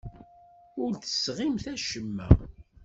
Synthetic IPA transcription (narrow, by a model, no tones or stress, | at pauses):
ʊɾθə̥sʁɪmθæʃəmːæ̰